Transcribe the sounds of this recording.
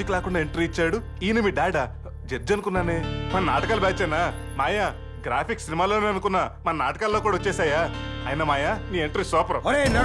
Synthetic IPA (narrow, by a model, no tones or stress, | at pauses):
iklaːkuɳɖaːeɳʈɾiːt͡ʃːaːɽu | iːnɐmiːɖaːɖa | d͡ʒeɾd͡ʒɐnukunːaːneːmɐnɐna̰ːʈɐkaːlubaːt͡ʃeːnaː | maːjaː | ɡɾaːpʰiksinimaːloːneːɐnukunːɐmɐnɐnaːʈɐ̥kaːlːoːkuːɽaɐot͡ʃːɛːsaːjaːjinɐmaːjaːniːeɳʈɾiːsɔːpɐɾɐoɾenɐ